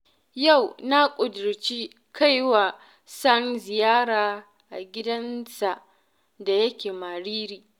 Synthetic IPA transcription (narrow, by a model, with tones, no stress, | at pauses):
ja˦˨wna˦kʷʼʊ˨dʊ˨ɾt͡ʃi˦ | kʰa˦jwa˨ | sɐ˦nzɪ˨jaː˦ɽaː˨ | ʔa˨ɡʲɪ˦dɐ˦nsa˨ʔ | da˨jɐ˦kʲeː˨ma˨ɽiː˦ɾiː˨